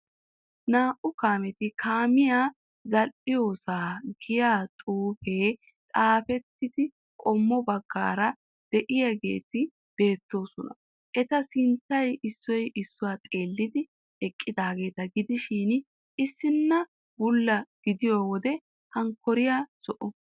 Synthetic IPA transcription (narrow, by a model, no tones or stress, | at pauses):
naːʔʊkaːmɛt̪ɪkʰaːmɪjaː | zɐlʔɪjo̞ːsaːɡɪjaːt̪ʼuːfe̞ː | t̪ʼaːfɛt̪ːɪd̪ɪ | kʼɔmːɔbɐɡːa̰ːɾɐ | d̪̥ɛʔɪjɐɡḛːt̪ɪ | b̥e̞ːt̪ːo̞ːsɔnɐ | ʔɛt̪ɐsɪnt̪ːɐjɪsːɔjʔɪsːʊwaːt̪ʼe̞ːlːɪd̪ɪ | ɛkʼːɪd̪aːɡe̞ːt̪ɐɡɪd̪ɪʃɪːn | ʔɪsːɪnːɐ | bʊlːɐɡ̥ɪd̪ɪjoːwɔd̪ɛ | hɐŋkːɔɾɪjaːsɔʔɔ